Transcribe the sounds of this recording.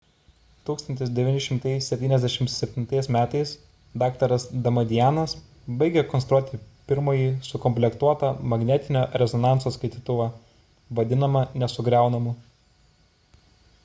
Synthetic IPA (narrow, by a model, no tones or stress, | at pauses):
t̪uːkst̪ɐnʲt̪ʲɪsd̪ʲɛʋʲɪnʲɪʃʲɪmt̪ɐɪsʲsʲɛpʲt̪ʲiːnɛzʲd̪ʲɛʃʲɪmt̪sʲɛpʲt̪ʲɪnt̪ɐɪsmʲæːt̪ɐɪs | d̪ɑːkt̪ɐɾɐsd̪ɐmɐd̪ʲɪjænɐs | bɐɪɡʲɛkɔnst̪ɾuɔt̪ʲɪpʲɪɾmoːjiːsʊkɔmʲpʲlʲɛkt̪uɔt̪ɐmɐɡnʲɛt̪ʲɪnʲoːɾʲɛzɔnɑˑnt̪soːskɐɪt̪ʲiːt̪ʊʋɑ | ʋɐd̪ʲɪnɐmɐnʲɛsʊɡɾʲæˑʊnɐmuː